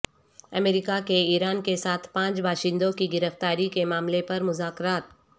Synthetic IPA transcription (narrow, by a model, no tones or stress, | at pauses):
ɐmeːɾikakeiːɾaːnkesaːt̪ʰpãːt͡ʃbʱaːʃɪ̃nd̪õkiɡɪɾəft̪aːɾikemaːmlepɐɾmʊzaːkɾaːt̪̚